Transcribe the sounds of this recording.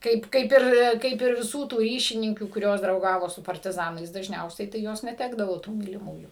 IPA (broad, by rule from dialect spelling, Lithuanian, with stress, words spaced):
ˈkɐɪp ˈkɐɪp ɪr ˈkɐɪp ɪr ʋʲɪˈsuː tuː ˈrʲiːʃʲɪnʲɪŋʲkʲuː kʊˈrʲoːs drɐʊˈɡɑːʋoː sʊ pɐrʲtʲɪˈzɑːnɐɪs dɐʒʲˈnʲɛʊsʲɛɪ tɐɪ ˈjoːs nʲɛˈtʲæːɡdɐʋoː tuː mʲiːlʲɪˈmuːjuː